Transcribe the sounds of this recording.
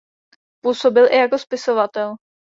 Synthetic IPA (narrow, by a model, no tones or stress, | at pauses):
puːso̞bɪlʔɪjako̞spɪsovat̪ɛl